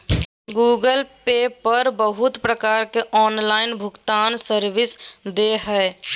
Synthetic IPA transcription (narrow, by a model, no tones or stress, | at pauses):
ɡuːɡəlpeːpəɾbəɦʊt̪pɾəkaːɾkeʔɔːnlaːɪnbʱʊkt̪aːnsəɾʋɪsd̪eɦɛː